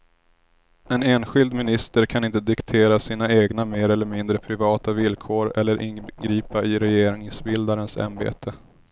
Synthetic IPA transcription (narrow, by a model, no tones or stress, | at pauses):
ɛneːnɧɪld̪mɪnɪst̪əɾkʰanɪnt̪əd̪ɪkt̪ʰeːɾasiːnaeːɡnameːɾɛlːəɾmɪnd̪ɾəpʰɾɪvɑːt̪avɪlkʰoːɾɛ̰lːəɾʔɪ̰nɡɾiːpaʔɪɾɛjeːɾɪŋsbɪld̪aɾənsa̰nbḛːt̪ʰə